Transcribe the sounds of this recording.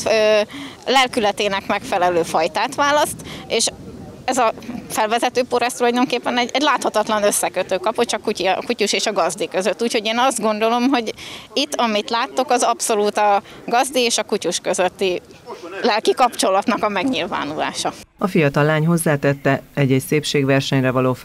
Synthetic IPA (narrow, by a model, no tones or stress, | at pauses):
ølɛlkylɛt̪eːnɛkmɛkfɛlɛløːfɒjt̪aːt̪ʋaːlɒst̪eːʃ | ɛzɒfɛlvɛzɛt̪øːpoɾɛst̪ulɒjd̪o̞ŋkeːpːɛnɛɟɛɟlaːt̪hɒt̪ɒt̪lɒnø̞sːɛkøt̪øːkɒpot̪t͡ʃɒkucikucuʃeːʃɒɡɒzd̪ikø̞zøt̪ːuːcho̞ɟeːnɒzd̪ɡo̞nd̪o̞lo̞mɦo̞ɟit̪ːɒmit̪laːt̪ːokɒzɒpso̞luːt̪ɒɡɒzd̪ieːʃɒkucuʃkøzøt̪ːi | lɛlkikɒpt͡ʃo̞lɒt̪nɒkɒmɛɡɲilva̰ːnula̰ːʃɒɒfijɒt̪ɒlːaːɲɦo̞zːaːt̪ɛt̪ːɛɛɟːɛcseːpʃeːɡʋɛrʃɛɲrɛvɒloː